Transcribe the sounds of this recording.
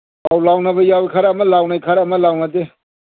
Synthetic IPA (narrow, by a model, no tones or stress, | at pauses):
awlawnabajawkʰaɾamalawnajkʰaɾamalawnade